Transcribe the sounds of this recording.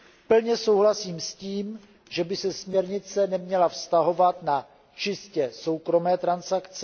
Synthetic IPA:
pl̩ɲɛso̞wɦlasiːmsciːm | ʒɛbɪsɛsmɲɛɾɲɪt͡sɛnɛmɲɛlafst̪aɦo̞vat̪na | t͡ʃɪscɛso̞wkɾo̞mɛːt̪ɾansakt͡sɛ

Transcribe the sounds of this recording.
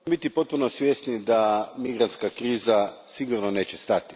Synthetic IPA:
bit̪ipo̞t̪̚punosʋjest̪nid̪amiɡɾant̪skakɾiːzasiɡuɾnone̞ːt͡ɕest̪at̪i̥

